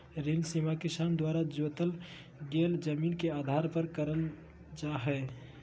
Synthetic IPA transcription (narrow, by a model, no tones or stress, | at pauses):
ɾensimakisand̪waɾad͡ʒot̪əl | ɡeld͡ʒəminkead̪ʱaɾpəɾkəɾəl | d͡ʒaɦɛ